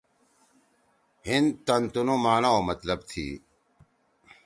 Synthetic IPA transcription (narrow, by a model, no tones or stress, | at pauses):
hint̪ɐnt̪unomaːnaomɐt̪ləbt̪ʰḭː